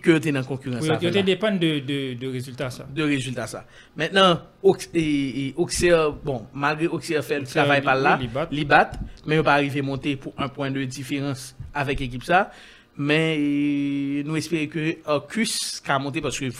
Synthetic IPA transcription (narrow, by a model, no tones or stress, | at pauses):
køjot̪̬enɐ̃kɔ̃kyʁɐ̃sajot̪ed̪epɑ̃nd̪əd̪əd̪əʁezylt̪asad̪əʁezylt̪asa̰ | mɛ̃t̪̚nɐ̃ | okeʔoksɛbɔ̃malɡʁeoksɛfɛlt̪ʁavajpalːalibatlibat̪mɛ̃jopaːʁivemɔ̃t̪epuɛ̃pwɛ̃d̪əd͡zifeʁɐ̃savɛkek̬ipsa | mɛ̃ | nũɛspeʁekøakʰyskamɔ̃t̪̬epasə̥kø